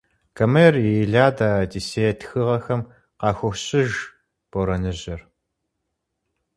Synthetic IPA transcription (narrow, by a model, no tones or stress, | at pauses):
kʰɐmɐjɛrjejɮaːdaːdiseːtʰxɨʁɐxɐm | qɑːxʷʊxɕʼɪʒ | b̥oɾɐnɨʑɐr